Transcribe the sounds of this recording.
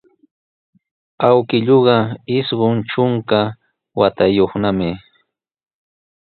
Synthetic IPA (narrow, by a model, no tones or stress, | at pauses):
awkɪʎoɢɑɪsɢont͡ʃʊŋka | wat̪ajoχnamɪ